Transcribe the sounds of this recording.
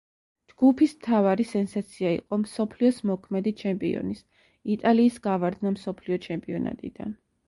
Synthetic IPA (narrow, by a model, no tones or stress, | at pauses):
d͡ʒɡ̥upʰismt̪ʰavaɾisɛnsat̪sʰiaḭqʼɔmsɔpʰliɔsmɔkʰmɛd̪it͡ʃʰɛmpʼḭɔ̰nis | it̪ʼaliːsɡavaɾd̪namsɔpʰliɔt͡ʃʰɛmpʼiɔna̰t̪ʼḭd̪̥a̰n